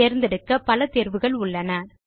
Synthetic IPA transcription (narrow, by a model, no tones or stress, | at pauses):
eːɾnd̪ɛɽɯkːɐpɐlɐt̪eːɾʋɯɣɐɭʊɭːɐnɐ